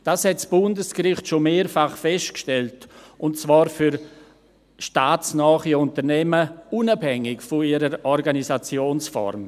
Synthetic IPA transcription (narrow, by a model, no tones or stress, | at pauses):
d̥aːshɛtsb̥ʊndəskrɪχtʃomeːɾfaχfɛstkʃtɛltʊntt͡svaːɾfyɾ | ʃtaːt͡snɔːχiʊntəɾnɛməunabhɛŋɪkfʊiɾəɾɔɾɡanisat͡sjoːnsfɔ̰ɾm